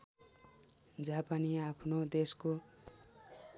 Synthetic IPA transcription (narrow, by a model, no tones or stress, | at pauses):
d͡zapaniapʰnod̪esko